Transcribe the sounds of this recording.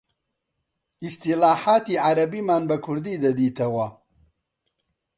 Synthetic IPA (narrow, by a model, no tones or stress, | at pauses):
ist̪ilaːħaːt̪iːʕaɾɐbiːmaːnbɐkʰʊɾd̪iːd̪ɐd̪iːt̪ʰɐwɐ